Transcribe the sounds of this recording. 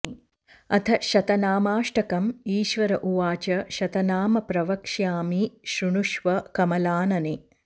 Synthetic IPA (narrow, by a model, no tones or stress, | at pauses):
ɐt̪ʰɐʃɐt̪ɐnaːmaːʂʈɐkɐmiːʃʋɐɾɐʔuʋaːt͡ʃɐʃɐt̪ɐnaːmɐpɾɐʋɐkʂjaːmiʃɾuɳuʃʋɐkɐmɐlaːnɐni